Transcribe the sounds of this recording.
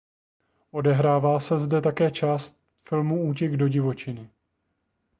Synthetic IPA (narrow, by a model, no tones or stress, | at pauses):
ʔo̞dɛɦɾaːvaːsɛzdɛt̪akɛːt͡ʃaːst̪ | fɪlmuuːcɛɡdo̞ɟɪvo̞t͡ʃɪnɪ